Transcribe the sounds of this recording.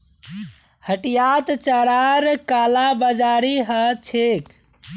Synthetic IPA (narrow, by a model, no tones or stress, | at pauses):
həʈijat̪t͡ʃəɾaɾkalabəd͡ʒaɾiɦət͡ʃʰek